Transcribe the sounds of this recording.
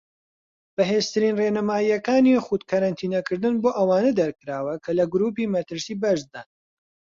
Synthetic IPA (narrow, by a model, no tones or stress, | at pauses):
b̥ɐɦeːzt̪ʰɨɾiːnreːnɐmaːijɐkaːnixut̪kʰɐɾant̪ʰiːnɐkɨɾd̪ɨnboːʔɐwaːnɐd̪ɐɾkɨɾaːwɐkʰɐlɐɡɾuːpimɐt̪ɨɾsiːbɐʃd̪aːn